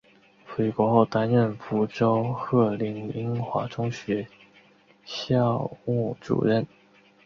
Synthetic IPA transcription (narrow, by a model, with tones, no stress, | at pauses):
fe˧˥ɪkwɔ˧˥xo˥˩ʊt̪a˥nɻə˥˩nfu˧˥ʈ͡ʂo˥ʊxɤ˥˩li˧˥ni˥ŋxwa̰˧˥ʈ͡ʂʊ˥ŋɕɥɛ˧˥ | ɕjɑ˥˧ʊmu˥˩ʈ͡ʂṵ˨˩ɻə˥˩n